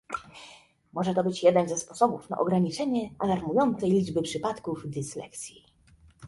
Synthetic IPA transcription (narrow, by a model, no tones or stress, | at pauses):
mɔʐɛt̪ɔbɘt͡ɕjɛd̪ɛnzɛspɔsɔbufna̰ʔɔɡɾaɲit͡ʂɛɲɛʔalaɾmujɔnt̪sɛjlʲid͡ʐbɘpʂɘpat̪kuvd̪ɘslɛ̰k̪sʲji